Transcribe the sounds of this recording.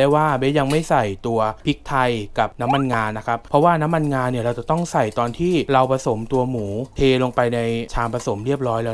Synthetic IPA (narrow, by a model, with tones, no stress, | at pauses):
a˥˩waː˥˩bɛ˦˥ja˧ŋma˥˩jsa˨˩jt̪u˧ɐpʰi˦˥k̚t̪ʰa˧jka˨˩p̚na˦˥mːa˧nŋaː˧nːa˦˥kʰa˦˥p̚pʰɾɔ˦˥waː˥˩na˦˥mːa˧nŋaː˧nːi˥˩ɐɾa˧wt͡ɕa˨˩t̪ɔ˥˩ŋsa˨˩jt̪ɔː˧nt̪ʰiː˥˩ɾa˧wpʰa˧so˩˦mt̪u˧ɐmuː˩˦tʰeː˧lo˧ŋpa˧jna˧jt͡ɕʰaː˧ŋpʰa˧so˩˦mɾi˥˩əp̚ɾɔː˦˥jlɛː˦˧˥